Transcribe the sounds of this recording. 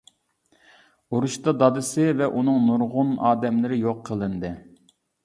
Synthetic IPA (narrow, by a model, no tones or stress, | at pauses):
uɾuʃt̪ɑd̪ɑd̪ɨsɨvɛʔunɨŋnuɾʁʊnɑ̰ːd̪ɛmlɪɾɪjoqʰːəlˠɨnd̪ɨ